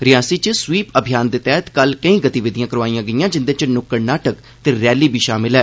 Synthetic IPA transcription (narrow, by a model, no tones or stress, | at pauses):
ɾɪjaːsiːt͡ʃəswiːpəbʱɪjaːnd̪eːt̪ɛːət̪kəlkə̃ĩːɡət̪iːʋɪd̪ɪjãːkəɾʋaːiːãːɡəijãːd͡ʒɪnd̪eːt͡ʃnʊkːəɾnaːʈək | t̪eːɾɛːliːbʱiːʃaːmɪlɦɛː